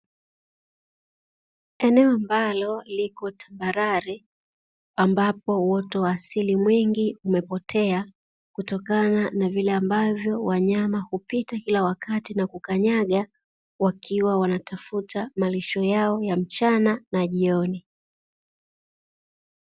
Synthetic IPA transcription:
ɛnɛɔambalɔlikɔtʰambaɾaɾi | ambapɔwɔtɔwaːsilimwiŋɡiumɛpɔtʰɛa | kutɔkananavilɛambavjɔwaɲamahupitakilawakatinakukaɲaɠa | wakʰiwawanatafutamaliʃɔjaɔjam̩t͡ʃananaʄiɔni

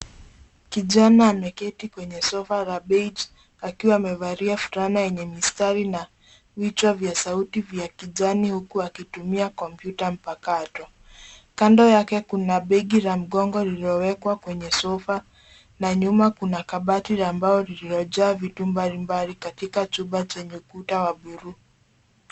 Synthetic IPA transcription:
kiʄanaːmɛkɛtikwɛɲɛsɔfaɾaɓɛd͡ʒ | akiwaːmɛvaɾiafu̥ɾanajɛɲɛmistaɾina | vit͡ʃwavjasautivjakiʄanihukuakitumiakɔmpjutam̩pakatɔ | kandɔjakɛkunaɓɛɡiɾam̩ɠɔŋɡɔliliɔwɛkwakwɛɲɛsɔfa | naɲumakunakaɓatiɾaːmbaɔliliɾɔʄaːvitumbalimbalikatikat͡ʃuɓat͡ʃɛɲɛukutawaɓuɾuː

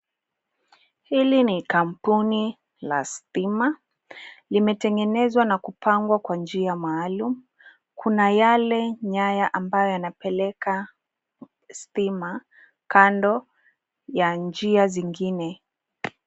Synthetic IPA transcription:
hilinikampuni | la̰stima | limɛtɛŋɡɛnɛzwanakupʰaŋɡwakwand͡ʒiamaːlumu | kʰunajalɛɲajaʔambajɔjanapɛlɛka | stima | kandɔ | jand͡ʒiaziŋɡinɛ

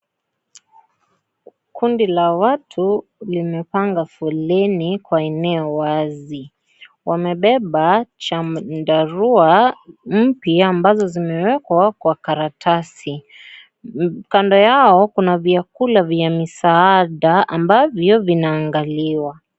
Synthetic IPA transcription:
kundilawatʰulimɛpaŋɡafulɛnikwaɛnɛɔwazi | wʔamɛɓɛɓat͡ʃadaɾuam̩piaːmbazɔzimɛwɛkwakwakaɾatʰasi | kandɔjaɔkunaviakulavjamisaaɗaambavjɔvinaːŋɡaliwa

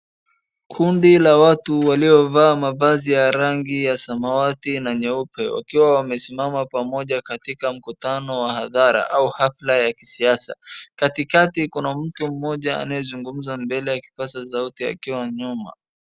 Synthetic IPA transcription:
kʰundilawatuwaliɔvaːmavazijaɾaŋɡijasamawatinaɲɛupɛwa̰kiwawamɛsimamapamɔʄakatikam̩kutanɔwahaðaɾa̰ʔauhaflajaki̥siasa̰katikatikunam̩tum̩mɔʄaa̰najɛzuŋɡum̩zambɛlɛjaki̥pasazautia̰kiwaɲuma̰

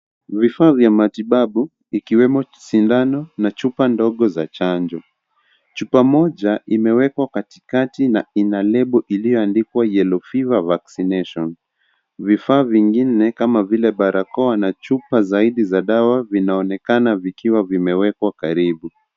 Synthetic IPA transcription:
vifaːvjamatiɓaɓu | ikiwɛmɔsindanɔnat͡ʃupandɔɠɔzat͡ʃand͡ʒɔ | t͡ʃupamɔʄaʔimɛwɛkwakati̥katinainalɛɓuʔilijɔandikwajɛlɔfivavaksinɛʃɔn | vifaːviŋɡinɛkamavilɛɓaɾakɔanat͡ʃupazaiɗizaɗawavinaɔnɛkanavikiwavimɛwɛkwakaɾiɓu

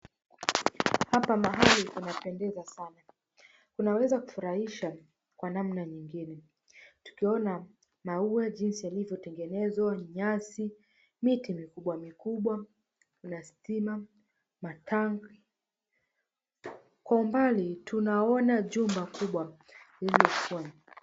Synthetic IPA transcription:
hapamaɦalitunapɛndɛzasana | kunawɛzaku̥fuɾahiʃa | kwanam̩naɲiŋɡinɛ | tu̥kiɔna | mauɛʄinsijalivjɔtɛŋɡɛnɛzwaɲasi | mitimikuɓwamikuɓwa | unasi̥tima | matʰaŋɡ | kwaumbalitunaɔnaʄumbakuɓwa | ililɔkuaɲa

